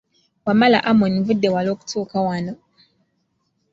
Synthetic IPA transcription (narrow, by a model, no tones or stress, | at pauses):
wamala̰ʔamonivudːewaloːku̥tʰuːkawano